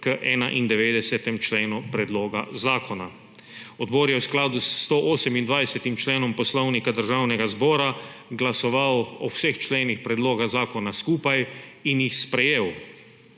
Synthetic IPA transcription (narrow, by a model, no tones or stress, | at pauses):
kəʔɛːna̰ʔind̪ɛʋeːd̪ɛsɛt̪ɛmt͡ʃleːnupɾɛd̪loːɡazaːkɔna | ɔd̪bɔːɾjɛwsklaːd̪ust̪oʔoːsɛmind̪ʋajsɛt̪imt͡ʃleːnɔmpɔslɔwnikad̪əɾʒawnɛɡazbɔːɾaɡlasɔʋawɔwsext͡ʃleːnixpɾɛd̪loːɡaɣzaːkɔnaskuːpajinjixspɾɛjeːw